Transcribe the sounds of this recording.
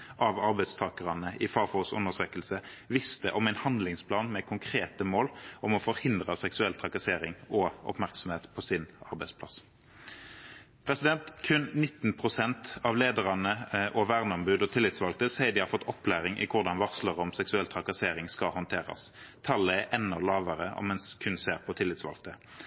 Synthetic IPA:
ʔɑʋɑʁbæɪd̪st̪ʰɑːkəʁɑnəʔɪfɑːfɔʊsʉ̰nəʁsøːkəlsəʋɪst̪əʔɔmæɪnhɑnd̪lɪŋspʰlɑːnmɛkʰʊŋkʰʁeːt̪əmoːlɔmɔfɔʁhɪnd̪ʁəsɛksʉɛlt̪ʰʁɑkɑseːɾɪŋɔʔɔ̰pmæʁksɔmheːt̪pʰɔsɪnɑʁbæɪd̪spʰlɑs | pʰʁɛsɪd̪ɛnt̪kʰʉnnɪt̪ːn̩pʰʁʊsɛnt̪ɑʋleːd̪əʁɑnəʔɔʋæːʁnəɔmbʉːd̪ɔt̪ʰɪlːɪt̪sʋɑlk̚t̪əsæɪd̪ɪhɑɾfɔt̪ːɔpːlæːʁɪŋʔɪ̰kʰʊʁd̪ɑnʋɑʁsləʁɔmsɛksʉɛlt̪ʰʁɑkɑseːɾɪŋskɑhɔnt̪ʰeːʁɑ̰s | t̪ʰɑlːəæʔɛnːɔlɑːʋəʁəɔ̰mɛnskʰʉnseːʁpʰɔt̪ʰɪlːɪt̪sʋɑ̰lk̚t̪ə

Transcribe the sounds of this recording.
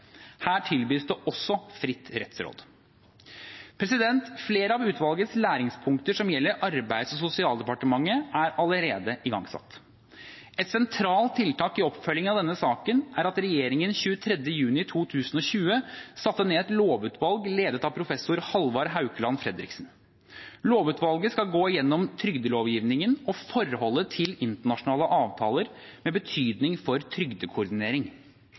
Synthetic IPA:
hæːʈʰɪlbyːsd̪ɛʔɔsːɔfɾɪt̪ːɾɛt̪sɾo̰ːd̪ | pʰɾɛsɪd̪ɛnt̪fleːɾəɑʋʉːt̪ʋɑlɡət̪slæːɾɪŋspʰʊŋkt̪əʂɔmjɛlːəɾʔɑɾbæɪd̪sɔsʊsɪɑːld̪ɛpɑʈəmɑŋːəʔæɾɑləɾeːd̪əʔɪɡɑ̰ŋsɑ̰t̪ː | ɛt̪sɛnt̪ʰɾɑːlt̪ʰɪlt̪ɑːkɪɔpfœljɪŋɑʋd̪ɛnːəsɑːkənʔæɾɑt̪ɾɛjeːɾɪŋənɕʉːət̪ʰɾɛd̪jəjʉːnɪt̪ʰuːt̪ʰʉːsənɔɕʉːəsɑt̪ːəneːɛt̪loːʋʉːt̪ʰʋɑlɡleːd̪ət̪ɑpʰɾʊfɛsʊɾhɑlʋɑɾɦɑʉkəlɑnfɾɛd̪ɾɪksn̩ | loːʋʉːt̪ʋɑlɡəskɑɡoːɪjɛnːɔmt̪ʰɾʏɡd̪əloːʋjiːʋnɪŋənɔfɔɾhɔlːət̪ʰɪlɪnt̪əɳɑʂʊnɑːləʔɑːʋt̪ʰɑːləɾ | mɛbət̪ʰyːd̪nɪŋfɔɾt̪ʰɾʏɡd̪əkʰʊɾɖ̪ɪneːɾɪŋ

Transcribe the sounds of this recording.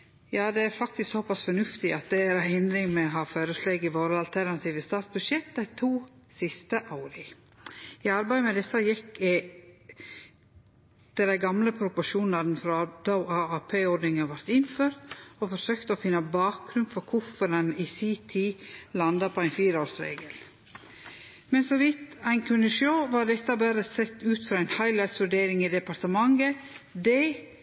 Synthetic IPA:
jɑːd̪ɛæɾfɑk̚t̪ɪsksɔpʰɑsfɔɳʉft̪ɪʔɑt̪̚d̪ɛæɾæhɪnd̪ɾɪŋmɛɦɑføːɾəsleːɡɪʋoːɾəɑlt̪ʰæɾnɑt̪ʰiːʋəst̪ɑːt̪sbʉʃɛt̪̚d̪æɪt̪ʰuː | sɪst̪əʔɑːɾɪ | ɪɑɾbæɪmɛd̪ɛsːɑjɪkː | t̪ɛd̪æɪɡɑmləpʰɾʊpʊʃuːnn̩ɑd̪n̩fɾɑd̪̥ɑɑɑpʰeːɔɾd̪nɪŋɑʋɑɾt̪ɪnføːɾt̪ɔfɔsøːkt̪əɔfɪnːəbɑːk̚ɡɾʉnfɔɾkʰʊfɔɾɑnisiːt̪ʰiːlɑnd̪ɑpʰɔæɪnfiːɾəoːɾsɾḛːɡəl | mɛnsɔʋɪt̪æɪnkʰʉnːəʃoːʋɑːd̪ɛt̪ːɑbæːɾəsɛt̪ːʉːt̪fɾɑːæɪnhɑɪlæɪt̪sʋʉɖeːɾɪŋid̪ɛpɑɾt̪əmɑŋɡəd̪ɛ

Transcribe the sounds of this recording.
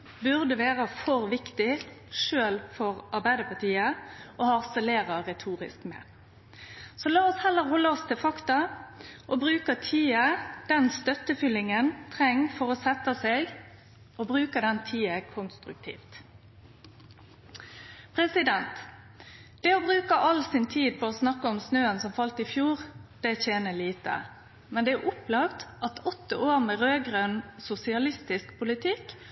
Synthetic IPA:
bʉʁd̪əʋeːʁəfɔʁʋɪkt̪ɪʃøːlfɔʁʔɑʁbæɪd̪əpʰɑʁt̪ʰiːəʔoɑʁsɛleːʁɑʁɛt̪ʰuːʁɪ̰skmɛ̰ | sɔlɑːɔshɛlːəɾhɔlːəɔst̪ʰɪfɑkt̪ɑʔɔbʁʉːkɑt̪ʰiːəd̪̥ɛnst̪œt̪ːəfʏlɪŋənt̪ʰʁɛŋːfɔʁɔsɛt̪ːɑseɡ | obʁʉːkəd̪ɛnt̪ʰiːəkʰʊnst̪ɾʉk̚t̪ʰḭːft̪ | pʰɾɛsɪd̪ɛnt̪ | d̪̥ɛɔbɾʉːkəʔɑlsɪnt̪ʰiːd̪̚pʰɔoːsnɑkːəɔmsnøːənsɔmfɑlt̪ɪfjuːʁd̪̥ɛçeːnəliːt̪ə̰ | mɛnd̪ɛæʔʊplɑkt̪ʔɑt̪ʰɔt̪ːəʔoːʁmɛʁøːɡʁøːnsʊsɪɑlɪst̪ɪskpʰʊlɪt̪ʰɪkː

